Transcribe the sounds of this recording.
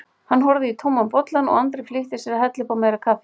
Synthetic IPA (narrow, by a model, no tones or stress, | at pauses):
hanːɦɔɾðɪit̪ʰowmːampɔt̪lanɔ̰ɣant̪ɾɪfliht̪ɪsɛɾahɛt̪lɪpawmeːjɾakʰafɪ